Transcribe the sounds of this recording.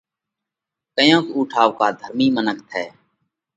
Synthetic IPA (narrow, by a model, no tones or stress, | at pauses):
kəjõːkuːʈʰaːʋkaːd̪ʱəɾmiːmənəkt̪ʰɛː